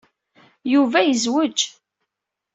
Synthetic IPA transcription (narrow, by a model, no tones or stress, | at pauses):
juvæjəzwəd͡ʒ